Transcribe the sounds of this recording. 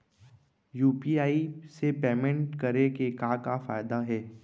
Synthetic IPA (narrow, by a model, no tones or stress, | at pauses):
juːpiːaːisepeːmẽɳʈkɐɾekekaːkafa̰ːɪd̪aɦɛː